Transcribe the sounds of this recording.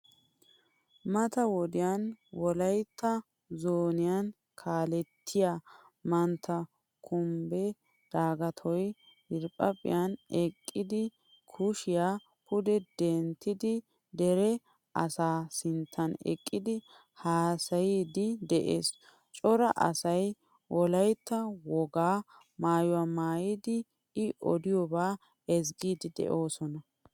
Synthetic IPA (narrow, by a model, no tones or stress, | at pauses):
mɐt̪ɐwɔd̪ɪjanwɔlɐjt̪ːɐ | zoːnɪjan | kʰaːlɛt̪ʰːɪjaː | mɐnt̪ʰːɐ | kʰʊmbɛ | d̪̥aːɡɐt̪ʰɔj | ɪɾpʼːɐpʼɪ̰jɐnɛkʼːɪd̪ɪ | kʰʊʃɪja | pʊd̪ɛd̪ɛnt̪ːɪd̪ɪ | d̪ɛɾɛ | ɐsaːsɪnt̪ʰːɐnɛ̰kʼːɪd̪ɪ | haːsɐjiːd̪ɪd̪ɛʔḛːs | t͡ʃʼɔɾɐʔɐ̰sɐj | wɔlɐjt̪ːɐwɔɡaː | maːjʊwamaːjɪd̪ɪ | ɪʔɔd̪ɪjɔbaː | ɛzɡiːd̪ɪd̪ɛ̰ʔo̞ːsɔnɐ